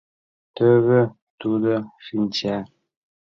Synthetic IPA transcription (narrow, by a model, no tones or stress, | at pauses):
təɣə | tudəfint͡ʃa